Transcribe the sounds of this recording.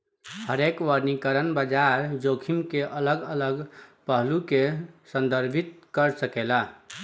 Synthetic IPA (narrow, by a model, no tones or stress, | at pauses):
həɾekʋəɾnikəɾənbəd͡ʒaɾd͡ʒokʰimkeʔələɡələɡpəɦlukesə̃nd̪ʱəɾbʱit̪̚kəɾsəkela